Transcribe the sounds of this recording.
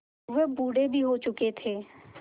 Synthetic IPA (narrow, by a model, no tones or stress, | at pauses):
ʋebuːɽebʱiɦot͡ʃʊket̪ʰeː